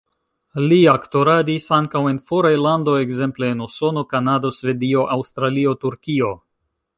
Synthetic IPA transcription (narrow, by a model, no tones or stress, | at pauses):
liakto̞ɾadisaŋkawe̞nfo̞ɾajlando̞ekze̞mple̞ːnuso̞no̞kanado̞sve̞dio̞ʔawst̪ɾalio̞tuɾkio̞